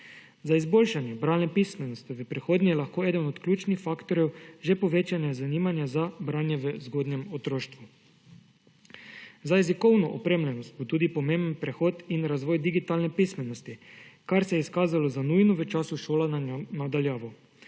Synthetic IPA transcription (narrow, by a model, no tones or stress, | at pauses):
zaizboːlʃanjɛbɾaːnnɛpismɛnɔst̪iʋəpɾixoːd̪nʲijɛlaxkoːɛːd̪ənɔt̪klʲuːt͡ʃnixfaːkt̪ɔɾjɛwʒɛpɔʋeːt͡ʃanazaniːmanjazabɾaːnjɛʋəzɡoːd̪nɛmɔt̪ɾoːʃt̪ʋu | zajɛzikɔwnɔʔɔpɾeːmlɛnɔst̪̚bot̪uːd̪ipɔmẽmbənpɾɛxoːt̪inɾazʋɔːjd̪iɡit̪aːlnɛpismɛnɔst̪ikaɾsɛjɛiskaːzalɔzanujnɔʋət͡ʃaːsuʃoːlannad̪aljaːʋɔ